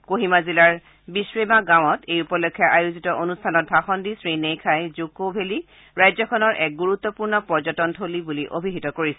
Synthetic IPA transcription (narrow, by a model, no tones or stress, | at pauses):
koɦimazilaɹ | bisɹemaɡãw̃ɔtejupɔlekʰːjaʔajuzitɔʔonustʰanɔt̚bʱaxɔndisɹinejkʰajzokobʱeli | ɹajzɔkʰɔnɔɹʔɛk̚ɡuɹut̪ːɔpuɹnɔpɔɹzɔtɔntʰolibuliʔobʱiɦitɔkoɹisɛ